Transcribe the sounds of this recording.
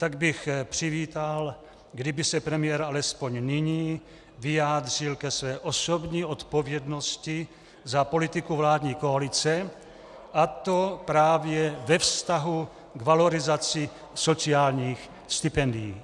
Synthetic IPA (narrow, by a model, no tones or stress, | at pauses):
t̪aɡbɪxpr̝̥ɪviːt̪al | ɡdɪbɪsɛpɾɛmɪjɛɾalɛspo̞ɲnɪɲiː | vɪjaːd̪r̝̥ɪlkɛsvɛːʔoso̞bɲiːʔot̪po̞vjɛdno̞scɪ | zapo̞lɪt̪ɪkuvlaːd̪ɲiːkoalɪt͡sɛ | ʔat̪o̞pɾaːvjɛvɛfst̪aɦu | ɡvalo̞ɾɪzat͡sɪ | so̞t͡siaːlɲiːx | st̪ɪpɛndɪjiː